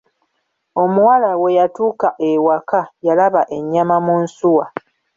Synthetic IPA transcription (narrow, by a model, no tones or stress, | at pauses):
o̞muwalawe̞jatuːkaʔe̞wakajalaβaʔe̞ɲːamamunsuwa